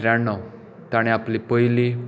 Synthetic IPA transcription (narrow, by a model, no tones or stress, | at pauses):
ɾanɔ | t̪aɽ̃ĩaplipəili